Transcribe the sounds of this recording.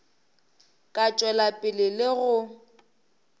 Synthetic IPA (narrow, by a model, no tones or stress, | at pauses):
kʼat͡ʃʼwɛlapʼɪlɪleɣʊ